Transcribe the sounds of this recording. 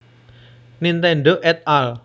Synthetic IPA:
nint̪ɛɳɖoʔɛt̪̚al

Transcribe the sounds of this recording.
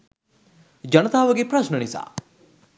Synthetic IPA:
d͡ʒɐnɐt̪aːʋɐɡepɾɐsnənisa̰

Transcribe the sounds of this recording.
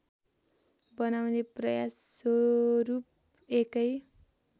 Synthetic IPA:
bʌnawneprʌjas | ɾup̚ | ekʌj

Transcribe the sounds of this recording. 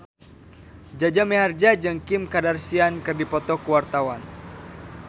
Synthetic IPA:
d͡ʒad͡ʒameɦard͡ʒad͡ʒɨŋkɪmkadarsiankɨrdipɔt̪ɔkuwart̪awan

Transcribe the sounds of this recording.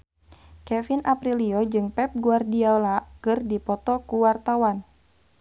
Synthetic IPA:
kɛfinʔapɾiliod͡ʒɨŋpɛp̚ɡuardiaolakɨrdipɔt̪ɔkuwart̪awan

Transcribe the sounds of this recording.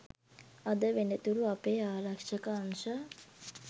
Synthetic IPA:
ad̪əʋenət̪uɾuapeːaːɾakʂəkəːŋʃa

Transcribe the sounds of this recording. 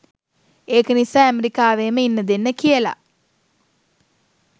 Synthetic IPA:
eːkənisaːæmeɾikaːʋeːməinːəd̪enːəkijəla̰

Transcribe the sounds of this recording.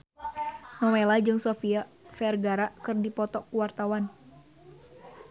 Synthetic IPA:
nawelad͡ʒɨŋsofia | fɛrɡaɾakɨrdipɔt̪ɔkuwart̪awan

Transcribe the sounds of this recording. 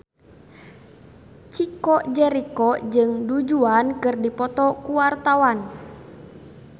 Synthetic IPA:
t͡ʃikɔd͡ʒɛɾikɔd͡ʒɨŋdud͡ʒuankɨrdipɔt̪ɔkuwart̪awan

